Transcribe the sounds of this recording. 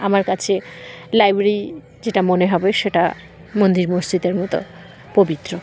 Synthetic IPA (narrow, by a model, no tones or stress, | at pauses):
amaɾkat͡ɕʰelajbɾɾɾi | d͡ʑeʈamoneɦɔbeʃeʈa̰ | mond̪iɾmost͡ɕit̪eɾmɔt̪o̰ | pobit̪ːɾo